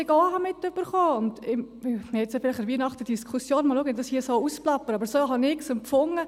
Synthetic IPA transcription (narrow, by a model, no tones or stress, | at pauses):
ɪɡoːɦɑmɪtːøb̥əɾχoːʊndɪ | ɛsjɔfɪlɪχəʋiənɑχtəd̥iskʰʊsjoːnmɑluːɡənd̥ɑshiːsoːusplɑpːəɑbəɾsoːɦɑnɪksʊmpfʊŋːə